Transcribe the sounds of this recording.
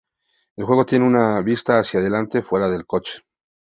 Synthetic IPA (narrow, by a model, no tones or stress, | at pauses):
e̞lxwe̞ɣ̞o̞t̪je̞neunaβist̪aːsjaðe̞lant̪e̞fwe̞ɾaðe̞lko̞t͡ʃe̥